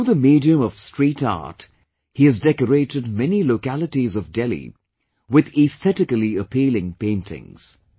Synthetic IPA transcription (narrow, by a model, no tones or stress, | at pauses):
uðəmidiɨ̃mʌv̥stɹ̥iːtɑ̰ːt | hiɨzdɛkəɾeɪɾɨd̚mɛniloʊkælˠətizʌvdɛlḭ | wɪðɪst̪ɛtɨkəliəpʰiːlɪ̃ŋpẽɪ̃ntʰɪ̰̃ŋz̥